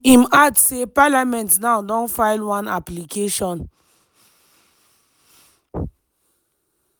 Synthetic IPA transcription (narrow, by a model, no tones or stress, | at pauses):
imadsepalamɛ̃ntnãʊdɔ̃nfaɪlwãnaplikʰeʃɔ̃n